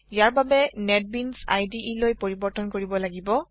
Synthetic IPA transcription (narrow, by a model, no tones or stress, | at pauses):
ijaɹbabɛnɛt̚binsa̰jdiʔilojpoɹibɔɹtɔnkoɹibɔlaɡibɔ